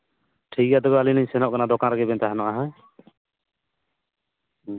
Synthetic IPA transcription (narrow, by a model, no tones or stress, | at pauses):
ʈʰijad̪ɔbɛaliniɲsɛnɔʔkanad̪ɔkanɾaɡɛbɛnt̪aɦɛnɔʔaɦɛ̃